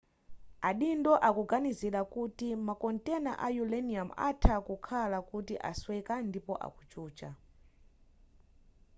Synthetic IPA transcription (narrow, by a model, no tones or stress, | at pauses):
aɗindɔʔakuɡanizilakutimakɔntɛna̰ʔajulɛniama̰tʰakukʰalakutiʔa̰swɛkandipɔʔa̰kut͡ʃuːt͡ʃa